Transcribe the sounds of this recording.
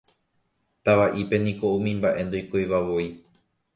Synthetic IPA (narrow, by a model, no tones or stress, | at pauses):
t̪aʋaʔipe̞nĩko̞ũmĩmbaʔe̞nd̪ojkojʋaʋoi